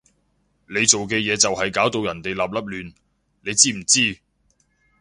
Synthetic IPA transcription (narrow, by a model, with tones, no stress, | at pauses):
le˨˧jt͡so˨wk̬ɛː˧jɛː˨˧t͡sɐ˨whɐ˨jkaː˨˥wt̪o˧wjɐ˨˩nt̪e˨jlaː˨p̚lɐ˥p̚lyː˨˧n | le˨˧jt͡siː˥m̩˨˩t͡siː˥